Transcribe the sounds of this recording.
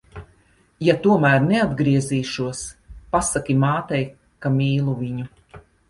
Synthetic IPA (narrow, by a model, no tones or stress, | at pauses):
jat̪uɔmæːɾnead̪ɡɾiɛziːʃuɔspasakʲimaːt̪ɛj | kamʲiːlˠuvʲiɲu